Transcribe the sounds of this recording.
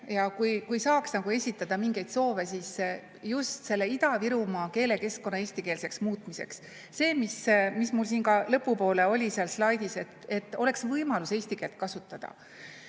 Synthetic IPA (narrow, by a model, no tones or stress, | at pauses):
jɑkujkujsɑːksnɑɡ̥ue̞sʲit̪ːˑɑd̪̥ɑmiŋɡe̞jd̪̥so̞ːve̞siːs | just̪se̞lːe̞id̪ɑviɾumɑke̞ːle̞ke̞sko̞nːɑe̞ːsʲt̪ike̞ːlse̞ksmuːt̪ˑmise̞̰ksː | e̞ːmismismulsiːnɡkɑlɤpːˑupo̞ːle̞o̞lʲiseɑlslɑjd̪̥ise̞t̪e̞t̪ːˑo̞le̞ksvɤjmɑluse̞ːsʲt̪ike̞ːlt̪̚kɑsut̪ːˑɑd̪̥ɑ̰